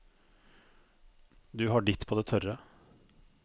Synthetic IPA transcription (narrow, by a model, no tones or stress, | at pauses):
d̪ʉːɦɑːɖɪt̪ːpʰoːd̪eːt̪ʰœɾə